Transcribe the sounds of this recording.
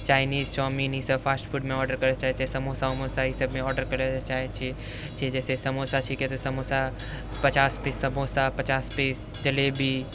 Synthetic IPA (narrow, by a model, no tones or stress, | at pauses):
t͡ʃaːɪniːzsɔːminisəbfʰaːsʈfʰuːʈmẽɔːɾɖəɾkɐɾet͡ʃaːɦet͡ʃʰesɐmosaɦmosaɦisəbmẽɔːɾɖəɾkɐɾet͡ʃaːɦet͡ʃʰi | t͡ʃʰid͡ʒɛːsesɐmosat͡ʃʰiket̪osɐmosa | pɐt͡ʃaːspesəbʱoːsapɐt͡ʃaːspeːs | d͡ʒɐlebʱi